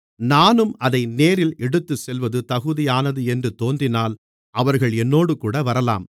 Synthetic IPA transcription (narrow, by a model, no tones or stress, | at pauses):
naːnɯmʔɐðɐɪneːɾɪlɛɽɯt̪ːɯsɛlʋɐðɯt̪ɐɣɯðɪjaːnɐðɯɛndrɯt̪oːnd̪ɪnaːl | ʔɐʋɐɾɣɐɭɛnːoːɽɯkuːɽɐʋɐɾɐla̰ːm